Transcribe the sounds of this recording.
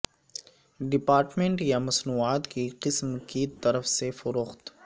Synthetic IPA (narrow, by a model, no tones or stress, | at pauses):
ɖɪpaːɾʈmẽɳʈjamɐsnuːaːt̪kiqɪsmkit̪ɐɾəfsefʊɾoːxt̪